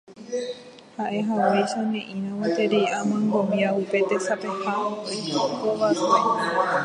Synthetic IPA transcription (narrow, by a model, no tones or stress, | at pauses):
haʔe̞ɦawejʃanẽʔĩɾ̃ãwat̪eɾiamãŋɡomiaupe̞t̪esapehaooiokoβase